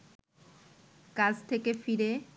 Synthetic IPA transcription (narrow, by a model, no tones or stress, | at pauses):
kad͡ʑt̪ʰekefiɾe